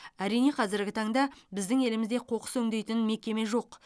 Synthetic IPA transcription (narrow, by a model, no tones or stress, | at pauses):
æɾijne̞qʰɑzɪɾɡʲɪt̪ʰɑɴd̪ɑbɪzd̪ɪŋe̞lɪmɪzd̪e̞qʰo̞qə̥sɵŋd̪e̞jt̪ɪnme̞kʲe̞me̞ʒo̞q